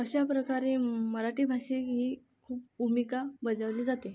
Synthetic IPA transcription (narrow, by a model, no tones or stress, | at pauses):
əɕjapɾəkaɾeməɾaʈiːbʱaʂekɦiː | kʰuːpbʱumikabəd͡zaʋliːd͡zat̪e